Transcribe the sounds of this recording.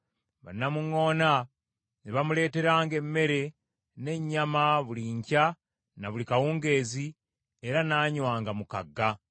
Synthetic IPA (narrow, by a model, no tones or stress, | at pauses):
βa̰nːamuŋo̞ːna | niβamule̞ːte̞ɾaːŋɡe̞mːe̞ɾe̞ | ne̞ɲːamaβuliɲca | naβulikawuːŋɡe̞ːzi | eɾanaːɲwaːŋɡamukaɡːa